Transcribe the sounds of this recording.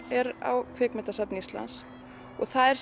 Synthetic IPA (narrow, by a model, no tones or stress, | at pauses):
ɛɾa̰wkʰvɛːkmɛnt̪asat̪nɪist̪la̰ns | ɔɣθaðɛɾ̥s